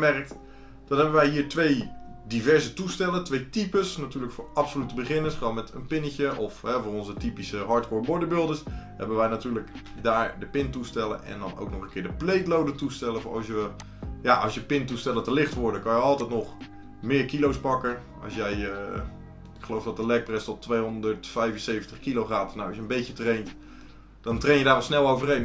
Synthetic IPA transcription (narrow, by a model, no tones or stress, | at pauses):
mɛrək̚t | d̥ɑnɦɛbənʋɛjɦiːɹtʋejdivɛɹzətustɛlətʋejtipəsnatyːɹləkfʊːɹɑpsolytəbəχɪnəsχronmɛtənpɪnəcəʔɔfɦɛvʊːrɔnzətipisəɦɑɹtkʊːɹbɔɹdəbɪlˠdəshɛ̰bənʋɛjnatyːɹlək | daːɹdəpɪntustɛlə̰ʔɛ̰ndɑ̰no̰wknɔχənkɪːɹdəplejtlowdətustɛləvʊɑ̰sjʋə | jaʔɑ̰sjəpɪntustɛlˠətəlɪχtʋɔɹdəkɑnjəɑlˠtɛjtnɔχ | mɪːɹkilowspɑkə | ɑ̰sjɛjə | ɪkχəlowfdɔt̚dəlɛk̚prɛstɔtʋejɦɔndəɹtfɛjvənsejvntəχkiloχaːtnawɑsjəmbejtətrejnt | d̥ɔntrejnjədaːɹʋɔlˠsnɛlˠowvərejn